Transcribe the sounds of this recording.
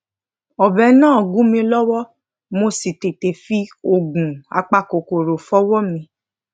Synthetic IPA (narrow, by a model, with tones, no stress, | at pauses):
ɔ˨bɛ˨˦nãː˦˨ɔ˨ɡũ˨˦mĩ˧lɔ˦wɔ˦ | mo˧si˨te˨te˨fi˦o˨ɡũ˨a̰˧k͡pa˧ko˨ko˨ɾo˨fɔ˦wɔ˦mĩ˧